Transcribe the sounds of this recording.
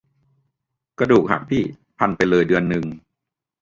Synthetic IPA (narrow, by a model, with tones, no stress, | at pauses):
kɾa˧duː˨˩k̚ha̰˨˩k̚pʰiː˥˩ | pʰa˧npa˧jlɤː˧jdɯ˧ənːɯ˨˩ŋ